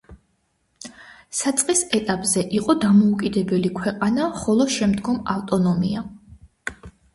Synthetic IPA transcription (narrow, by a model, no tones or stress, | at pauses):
sat̪sʼqʼisɛt̪ʼapʼzɛʔiqʼɔd̪amɔukʼid̪ɛbɛlikʰwɛqʼanaχɔlˠɔʃɛmd̪ɡɔmaft̪ʼɔnɔmḭa